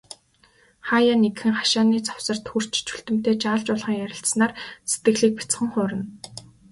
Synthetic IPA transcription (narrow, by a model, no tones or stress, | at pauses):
χaːjaːnekxɘ̆ŋχḁʃaːniːt͡saw̥sə̆r̥t̪xur̥t͡ɕt͡ɕʰu̥ɬt̪ɘ̆m̥t̪eːt͡ɕaːɮt͡ɕʊːɮʁə̆ŋjæɾʲɪ̆ɬt̪snaːrset̪̚ɡɘ̆ɣɮiːk̚pḁt͡sχə̆ŋχʊːɾə̆n